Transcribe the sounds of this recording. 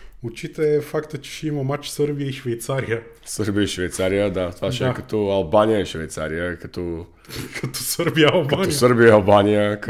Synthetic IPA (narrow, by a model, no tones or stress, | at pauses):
ʊt͡ʃit̪əɛfakt̪ət͡ʃɛ̥ʃɛimɐmat͡ʃsəɾbijəiʃvɛjt̪saɾijə | səɾbiəiʃvɛjt̪saɾijəd̪at̪ovaʃɛɛkɐt̪ɔɐlˠbanijəiʃvɛjt̪sa̰ɾijəkɐt̪ɔ | kʰɐt̪ɔsəɾbijɐɐlˠbkanɔsəɾbijəɐlˠbanijək